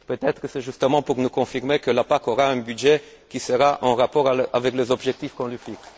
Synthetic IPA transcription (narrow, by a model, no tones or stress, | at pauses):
pøt̪ɛt̪χəsɛʒyst̪əmɑ̃puʁnukɔ̃fiʁmekəlapakoʁaɛ̃bydʒe | kʲisəʁaʔɑ̃ʁapɔʁaavɛklezɔbʒɛk̚t̪ifkɔ̃lɥifiks